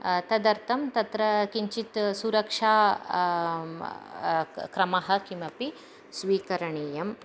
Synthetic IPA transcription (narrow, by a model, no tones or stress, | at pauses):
t̪ɐd̪ɐɾt̪ʰɐmt̪ɐt̪ɾɐkiɲt͡ʃit̪suɾɐkʂaː | kɾɐmɐɦɐkimɐpi | sʋiːkɐɾɐɳeːjɐm